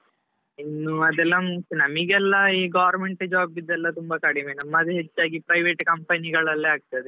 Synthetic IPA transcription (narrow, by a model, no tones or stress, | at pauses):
inːuɐd̪ɛlːɐmust̪unɐmiɡɛlːɐiːɡaːʋɐɾmeɳʈd͡ʒaːbid̪ːɛlːɐt̪umbɐkɐɽimenɐmːɐd̪eɦet͡ʃːaːɡipɾɐjʋeːʈkɐmpɐniɡɐɭɐlːeaːɡ̚t̪ɐd̪e